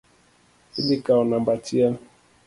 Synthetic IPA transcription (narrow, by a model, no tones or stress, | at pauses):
ilikaɔnambatian